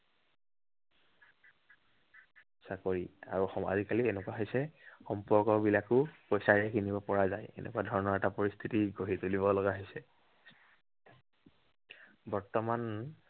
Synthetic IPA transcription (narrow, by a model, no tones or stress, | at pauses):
sakoɹia̰ɹuxɔa̰zikalienɛkwaɦojsɛxɔmpɔɹkɔbilakʊpɔjsaɹɛkinibɔpɔɹazajḛnʔɛ̰kuwadʱɔɹɔnɔɹɛtapɔɹist̪ʰitiɡoɦitulibɔlɔɡaɦojsɛ | bɔɹtɔman